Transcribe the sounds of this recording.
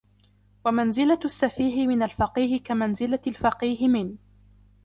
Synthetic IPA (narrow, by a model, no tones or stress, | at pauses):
wamanzɪlaasːafiːɦɪmɪnalfɑqiːɦɪkamanzɪlalfɑqiːɦɪmɪn